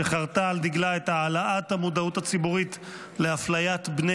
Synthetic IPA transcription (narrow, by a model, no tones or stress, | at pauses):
eχaʁt̪aːld̪iɡlaetaːlaʔathamud̪autat͡sibuʁit | leaflajat̪bne